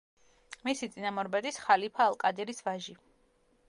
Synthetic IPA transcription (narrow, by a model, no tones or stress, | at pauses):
misit̪sʼinamɔɾbad̪isχalipʰaːlˠkʼad̪ɛɾisvaʒi